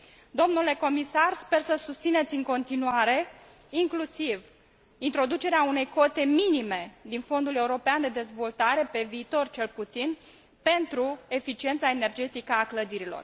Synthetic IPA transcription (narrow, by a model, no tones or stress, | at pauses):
d̪o̞mnule̞ko̞misarspe̞rsəsust̪sine̞t̪sʲɨŋko̞nt̪inuaɾe̞ | iŋklusiv | int̪ɾo̞d̪ut͡ʃe̞ɾeaune̞jko̞t̪e̞minime̞d̪info̞nd̪ule̞uɾo̞peand̪e̞d̪e̞zvo̞lt̪aɾe̞pe̞viːt̪o̞rt͡ʃe̞lput̪sin | pe̞nt̪ɾue̞fit͡ʃie̞nt̪sae̞ne̞rd͡ʒe̞t̪ikəakləd̪iɾilo̞̰r